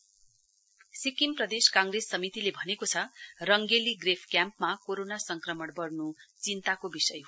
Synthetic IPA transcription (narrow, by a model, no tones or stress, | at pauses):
sikimprʌd̪eskãŋɡresːʌmit̪ilebʱʌnekot͡sʰʌrʌŋɡeliɡrepʰkjampmakoɾonasʌŋkrʌmʌɽbʌrnut͡sint̪akobisʌj